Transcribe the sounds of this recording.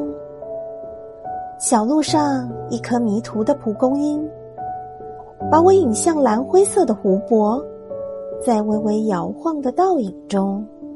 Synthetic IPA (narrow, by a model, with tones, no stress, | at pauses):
ɕjɑ˨˩ʊlu˥˧ʂɑ˥˧ŋi˧˥˩kʰɤ˧˩mi˧˥t̪ʰu˧˥d̪ə˨pʰu˧˥kʊ˥ŋi˥n | pa˧˥we˧˥i˨˩ŋɕjɑ˥˩ŋla˧˥nxwe˥ɪsɤ˥˩d̪ə˩xu˧˥pwɔ˧˥ | t͡sa˥˧ɪwe˧˥ɪwe˧˥ɪjɑ˧˥ʊxwɑ˥˩ŋd̪ə˩t̪ɑ˥˩ʊi˨˩ŋʈ͡ʂʊ˥ŋ